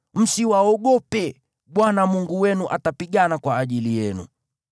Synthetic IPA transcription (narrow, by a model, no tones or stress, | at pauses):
m̩siwaɔɠɔpɛ | ɓwanamuŋɡuwɛnuʔatapiɠanakwaːʄilijɛnṵ